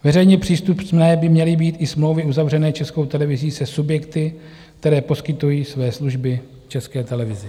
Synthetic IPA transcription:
vɛrɛjɲɛpr̝̥iːst̪upnnɛːbɪmɲɛlɪbiːt̪ʔɪsmlo̞wvɪʔuzavrɛnɛːt͡ʃɛsko̞wt̪ɛlɛvɪziːsɛsubjɛkt̪ɪ | kt̪ɛɾɛːpo̞skɪt̪ujiːsvɛːsluʒbɪ | ft͡ʃɛskɛːt̪ɛlɛvɪzɪ

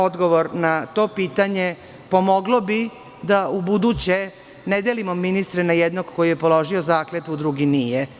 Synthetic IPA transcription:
od̪ɡoʋo̞ɾnat̪o̞ːpiːt̪aɲe | po̞mo̞ɡlobi | d̪aubud̪ut͡ɕe | ned̪elimo̞mːinist̪ɾɛnajed̪no̞ɡko̞jijepo̞lo̞ʒiozaːklet̪ud̪ɾuɡinije

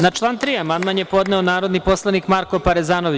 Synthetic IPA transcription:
nat͡ʃlˠaːnt̪ɾiamanmanjepo̞d̪neonaːɾo̞d̪nipo̞slˠaniːkmaɾkopaɾezaːnoʋi

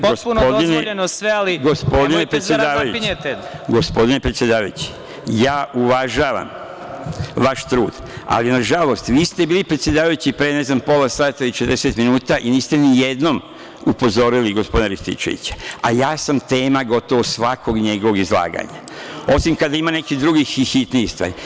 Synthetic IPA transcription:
poospunopod̪ineʎenosʋealiɡospo̞d̪inepɾesjed̪aːʋajuet̪eɡo̞spo̞d̪inepɾet̪sjed̪aːʋajṵt͡ɕi̥ | jaːʔuʋaʒaːʋa̰m | ʋaʃt̪ɾuːd̪ | a̰linaʒalo̞st̪ʋiːst̪e̞biːlipɾet̪sje̞d̪aːʋajut͡ɕipɾene̞znampo̞lasaːt̪ailit͡ʃet̪ɾeset̪minuːt̪aʔiniːst̪e̞nijed̪no̞m | upo̞zo̞ɾiliɡo̞spod̪ineɾist̪ḭt͡ʃḛʋḭt͡ɕḁajaːsamt̪e̞ːmaɡo̞t̪o̞ʋosʋakʰo̞ɡɲe̞ɡo̞ʋo̞ɡizlˠa̰ːɡa̰ɲa̰ | o̞simkad̪aimane̞kid̪ɾuɡixixit̪niist̪ʋa̰ːɾi

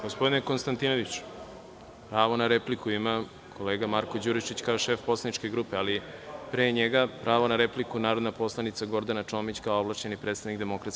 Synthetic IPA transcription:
ɡospd̪ineko̞nst̪ant̪ino̞ʋit͡ɕ | pɾaːʋo̞naɾeplikuima | kʰo̞leːɡamaɾko̞d͡ʑuɾit͡ʃit͡ɕkaoʃe̞fpo̞slanit͡ʃke̞ɡɾupealipɾeːɲeɡapɾʔaːʋonaɾeplikunaːɾo̞d̪napo̞slˠanit̪saɡo̞ɾd̪anat͡ʂoːmit͡ɕkaooblˠaʃɲenipɾet̪st̪anikd̪emo̞kɾat̪

